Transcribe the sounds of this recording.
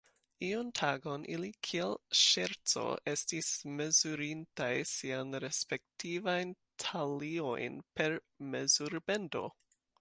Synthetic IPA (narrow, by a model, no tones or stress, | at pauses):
iontʰaɡo̞nʔilikʰielʃeɾt͡so̞̰e̞stisme̞zuɾintajsianɾe̞spe̞k̚tʰivajn | tʰalio̞̰jnpe̞ɾ | me̞zuɾbe̞ndo̞̰